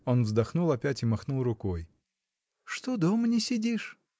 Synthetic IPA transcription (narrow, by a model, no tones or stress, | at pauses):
o̞nvzd̪ɐxnulˠɐpʲætʲɪmɐxnulˠrʊkoj | ʂt̪od̪omənʲɪsʲɪdʲiʂ